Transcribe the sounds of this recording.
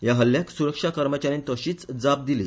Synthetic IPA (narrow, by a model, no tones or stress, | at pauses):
jaɦəlːjaksuɾəkʂakəɾmət͡ɕaɾint̪əɕiːt͡sd͡zap̚d̪ilḭ